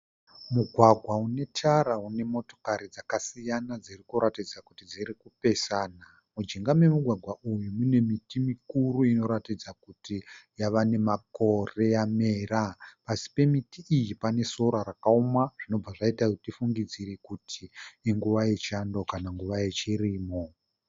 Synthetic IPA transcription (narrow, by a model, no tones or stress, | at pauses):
muɡʱwaɡʱwaune̞tʰaɾaune̞mo̞to̞̥kaɾid͡zakasijanad͡zirikuɾatid͡zakutid͡ziɾikupe̞saːna | mud͡ʒiŋɡamwe̞muɡʱwaɡʱwaʔujumune̞mitimikuɾuino̞ɾatid͡zakutijaʋane̞mako̞re̞jame̞ːɾapasi̥pe̞mitiʔijipane̞so̞ɾaɾakaumaʐ̥ino̞b͡vaʐaitautifuŋɡid͡ziɾekutʰiːŋɡuʋajet͡ʃando̞kanaŋɡuʋaje̞t͡ʃiɾiːmo̞